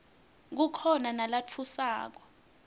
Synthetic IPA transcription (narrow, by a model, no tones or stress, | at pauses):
k̬ukʰɔnanalat͡fʰusa̰ːk̬ɔ